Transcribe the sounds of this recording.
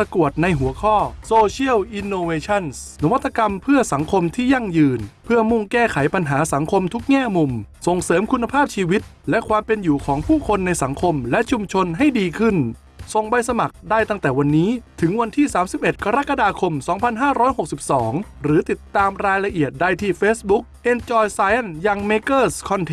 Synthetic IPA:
a˧ku˨˩ət̪̚na˧jɦu˨˩˦ɐkʰɔː˥˩soː˧t͡ɕʰi˥˩əwʔi˧nːoː˧weː˧t͡ɕʰa˥˩nsna˦˥wa˦˥t̪ʰːa˧ka˧mpʰɯ˥˩ɐsa˩˦ŋkʰo˧mt̪ʰiː˥˩ja˥˩ŋjɯː˧npʰɯ˥˩ɐmu˥˩ŋkɛː˥˩kʰa˩˦jpa˧nɦaː˩˦sa˩˦ŋkʰo˧mt̪ʰu˦˥k̚ŋɛː˥˩mu˧mso˨˩ŋsɤː˩˦mkʰu˧nːa˧pʰaː˥˩p̚t͡ɕʰiː˧wi˦˥t̪̚lɛ˦˥kʰwaː˧mpe˧njuː˨˩kʰɔː˩˦ŋpʰuː˥˩kʰo˧nːa˧jsa˩˦ŋkʰo˧mlɛ˦˥ʔt͡ɕʰu˧mt͡ɕʰo˧nɦa˥˩jdiː˧kʰɯ˥˩n | so˨˩ŋba˧jsa˧ma˨˩k̚daː˥˩jt̪a˥˩ŋt̪ɛː˨˩wa˧nːiː˦˥t̪ʰɯ˩˦ŋwa˧nt̪ʰiː˥˩saː˩˦msi˨˩p̚ʔe˨˩t̪̚ka˧ɾa˦˥ka˧daː˧kʰo˧msɔː˩˦ŋpʰa˧nɦaː˥˩ɾɔː˦˥jho˨˩k̚si˨˩p̚sɔː˩˦ŋɾɯː˩˦t̪i˨˩t̪ːaː˧mɾaː˧jla˧ʔi˨˩ət̪̚da˥˩jt̪ʰiː˥˩feː˦˥sbu˦˥k̚ʔe˧nt͡ɕɔː˧jsaː˧jʔa˥˩njaː˧ŋmeː˦˥kɤː˥˩skʰɔ˧nt̪ʰe˦

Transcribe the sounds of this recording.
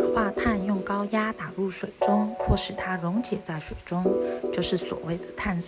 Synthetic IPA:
xwa˥˧t̪ʰa˥˧njʊ˥˩ŋkɑ˥ʊja˥t̪a˨˩lu˥˩ʂwe˨˩ɪʈ͡ʂʊ˥ŋxʰwɔ˥˩ʂɻ̩˨˩t̪ʰa˥ɻʊ˧˥ŋt͡ɕjɛ˨˩t͡sa˥˩ɪʂwe˨˩ɪʈ͡ʂʊ˥ŋt͡ɕjo˥˧ʊʂɻ̩˥˩swɔ̰˨˩we˥˩ɪd̪ə˩t̪ʰa˥˧ns

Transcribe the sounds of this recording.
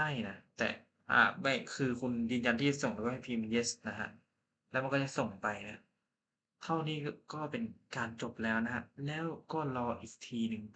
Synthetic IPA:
a˥˩jna˦˥t̪ɛ̰ː˨˩ | ʔa̰ː˨˧˩ma˥˩jkʰɯː˧kʰu˧njɯː˧nja˧nt̪ʰiː˥˩t͡ɕa˨˩so˨˩ŋlaː˧˩waː˥˩ha˥˩pʰiː˧m˧njeː˦˥sna˦˥kʰa̰˦˥ʔ | lɛː˦˥wma˧kɔː˥˩t͡ɕa˨˩so˨˩ŋpa˧jna˦˥ | t̪ʰa˥˩wniː˦˥˩kɔː˥˩pe˧nkaː˧nt͡ɕo˨˩p̚lɛː˦˥wna˦˥kʰa˦˥lɛː˦˥wkɔː˥˩lɔː˧ʔiː˨˩k̚t̪ʰiː˧nɯ˨˧ŋ

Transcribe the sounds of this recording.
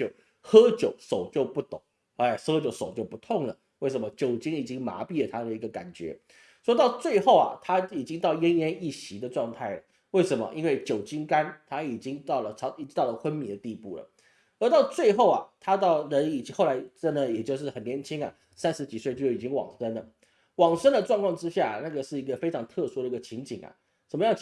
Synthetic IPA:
o˥˩ | xɤ˥t͡ɕjo˨˩ʊʂo˨˩ʊt͡ɕjo˥˧ʊpu˥˩t̪ʊ˨˩˦ŋ | a˧˩xɤ˥t͡ɕjo˧˥ʊʂo˨˩ʊt͡ɕjo˥˩pu˧˥t̪ʰʊ˥˩ŋlə˩ | we˥˩ɪʂə˧˥nmə˦t͡ɕjo˨˩ʊt͡ɕi˥ŋi˨˩t͡ɕi˥ŋma̰˧˥pi˥˩lə˩t̪ʰa˥d̪ə˨i˧˥ɡə˧ka̰˨˩nt͡ɕɥɛ̰˧˥ | ʂwɔ˥t̪ɑ˥˧ʊt͡swe˥˧ɪxo˥˩ʊɐ̰˩t̪ʰa˥i˨˩t͡ɕi˥ŋt̪ɑ˥˩ʊjə˥njɛ˥ni˥˩ɕi˧˥d̪ə˧ʈ͡ʂwɑ˥˧ŋt̪ʰa˥˩ɪlə̰˨˩ | we˥˩ɪʂə˧˥nmə̰˧ʔi˥nwe˥˩ɪt͡ɕjo˨˩ʊt͡ɕi˥ŋka˥nt̪ʰa˥i˨˩t͡ɕi˥ŋt̪ɑ˥˩ʊlə˩ʈ͡ʂʰɑ˧˥i˨˩t͡ɕt̪ɑ˥˩lə˩xwə˥nmi˨˩d̪ə˦t̪i˥˧pu˥˩lə̰˩ | ə˞˧˥t̪ɑ˥˧ʊt͡swe˥˧ɪxo˥˩ʊɐ̰˩t̪ʰa˥t̪ɑ˥˩ʊɻə˧˥ni˨˩t͡ɕxo˥˩ʊla˧˥ɪʈ͡ʂə˥nd̪ə˨jɛ˨˩t͡ɕjo˥˧ʊʂɻ̩˥˩xə˨˩njɛ˧˥nt͡ɕʰi˥ŋɐ̰˨ | sa˥nʂɻ̩˧˥t͡ɕi˨˩swe˥˧ɪt͡ɕjo˥˩ʊi˨˩t͡ɕi˥ŋwɑ̰˨˩ŋʂə˥nlə˨˩ | wɑ˨˩ŋʂə˥nd̪ə˨ʈ͡ʂwɑ˥˧ŋkʰwɑ˥˧ŋʈ͡ʂɻ̩˥ɕja˥˩na˥˩ɡə˩ʂɻ̩˥˩i˧˥ɡə˧fe˥ɪʈ͡ʂʰɑ˧˥ŋt̪ʰɤ˥˧ʂu˥d̪ə˨˩i˧˥ɡə˧t͡ɕʰi˧˥ŋt͡ɕi˨˩ŋɐ̰˩ | ʂə˨˩nmə˦jɑ˥˧ŋ

